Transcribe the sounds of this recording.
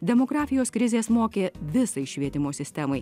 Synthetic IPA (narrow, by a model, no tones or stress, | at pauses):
d̪ʲɛmoːɡɾɑːfʲɪjoːskɾʲɪzʲeːsmoːkʲeːʋʲɪsɐɪʃʲʋʲiɛt̪ʲɪmoːsʲɪsʲt̪ʲɛmɐɪ